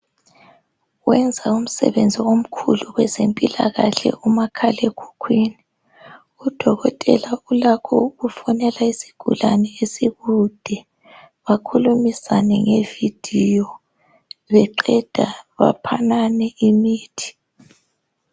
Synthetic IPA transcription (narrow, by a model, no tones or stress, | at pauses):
wɛnd͡zʱaum̩sɛ̰βend͡zʱiwom̩kʰṵluɣwɛzempʼila̰ɣaɬɛ̰umakʰalekʰu̥kʰwiːni | ud̥ʱɔɣɔtʼɛ̰laulakʰɔuɣufɔnɛlaisi̥ɡ̥ʱṵlanɛesiɣud̥ʱɛ | βakʰulumisanɛŋevid̥ʱijɔ | βɛǃɛd̥ʱaβa̰pʰananɛimiːtʰi̥